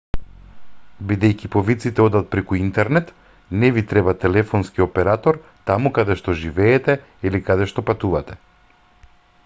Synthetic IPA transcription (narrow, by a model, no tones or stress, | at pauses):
bid̪ɛjkipɔvit̪sit̪ɛɔd̪at̪̚pɾɛkuint̪ɛɾnɛt̪ | nɛvit̪ɾɛbat̪ɛlɛfɔnskiɔpɛɾat̪ɔɾt̪amukad̪ɛʃt̪ɔʒivɛːt̪ɛ | ilikad̪ɛʃt̪ɔpat̪uvat̪ɛ̥